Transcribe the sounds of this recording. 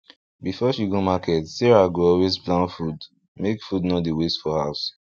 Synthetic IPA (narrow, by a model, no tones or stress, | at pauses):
bifɔʃiɡomakʰɛtseɹaɡoɔlwezplãnfud | mekfudnodiwestfɔhaʊs